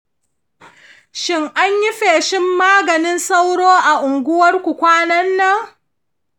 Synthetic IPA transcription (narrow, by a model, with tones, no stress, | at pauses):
ʃɪ˦ŋʔa˦ɲji˦ɸeː˨ʃɪ˦mːaː˦ɡɐ˨nɪ˦nsɐ˦wɽoː˦ʔa˨ʔʊ˨ŋɡʷʊ˦wɐ˦rkʷu˨kʷaː˦nɐ˦nːɐ˦ŋ